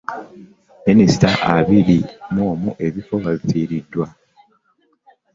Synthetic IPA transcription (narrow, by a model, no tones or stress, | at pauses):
minisi̥taʔaβiɾimoːmuʔe̞βifo̞βaβitʰiːɾidːwa